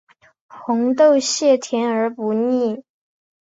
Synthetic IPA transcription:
xʊ˧˥ŋt̪o˥˧ʊɕjɛ˥˩t̪ʰjɛ˧˥nə˞˧˥pu˧˥ni˥˩

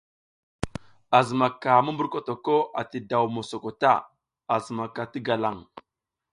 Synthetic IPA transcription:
a˨zə˨ma˨ka˨mu˦mbu˦ɾko˦to˨ko˦ʔa˨ti˨da˨wmo˨so˨ko˨ta̰˦˨ | a˨zə˨ma˨ka˨ti˦ɡa˨la˨ŋ

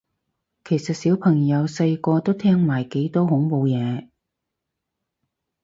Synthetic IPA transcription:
kʰe˨˩jsɐ˨t̚siː˨˥wpʰɐ˨˩ŋjɐ˨˧wsɐ˧jkɔː˧t̪o˥wt̪ʰɛː˥ŋmaː˨˩jke˨˥jt̪ɔː˥hʊ˨˥ŋpo˧wjɛː˨˧

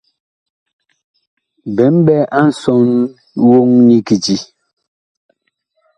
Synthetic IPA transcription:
bɛ˨˦m˦bɛ˦ʔa˦n̩˨sɔ˦n | wo˦ŋni˦ki˨ti˨

